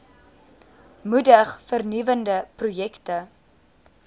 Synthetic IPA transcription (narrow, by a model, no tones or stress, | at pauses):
mudəχfərnivəndəprujɛktə